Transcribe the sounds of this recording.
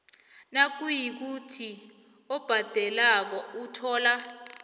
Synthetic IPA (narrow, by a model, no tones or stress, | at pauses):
nak̬ujik̬utʰi | ɔb̥ʱad̥ʱɛlak̬ɔutʰɔːla